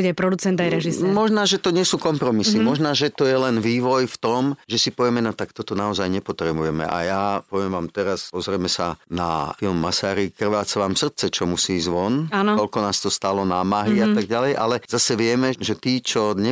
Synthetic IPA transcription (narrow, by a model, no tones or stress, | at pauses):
buɟpɾɔd̪ut͡sɛnt̪ajɾɛʒisɛmɔʒnaːʒɛt̪ɔɲɪɛsuːkɔmpɾɔmisimɔʒnaːʒɛt̪ɔjɛlɛnʋiːʋɔjft̪ɔmʒɛsipɔʋjɛmɛnɔt̪akt̪ɔt̪ɔnaɔzajɲɛpɔt̪ɾɛbujɛmɛ̰ʔa̰jaːpɔʋɪɛmʋaːmt̪ɛɾaspɔzɾɛmɛsa̰na̰jɔmːasaːɾikr̩ʋaːt͡sʋaːmsr̩t̪̚t͡sɛt͡ʃɔmusiːzʋɔnanɔɔlkɔnaːst̪ɔst̪alɔnaːmaɦiat̪aɡ̚ɟalɛjʔa̰lɛz̥asɛʋɪɛmɛʒɛt̪iːt͡ʃɔɲɛ